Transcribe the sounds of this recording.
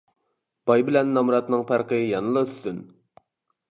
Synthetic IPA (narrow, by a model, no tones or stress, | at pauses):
b̥ɑjbɪlɛnːɑmɾɑt̪nɨŋpʰæɾqəjɑnɨlˠɨyst̪yn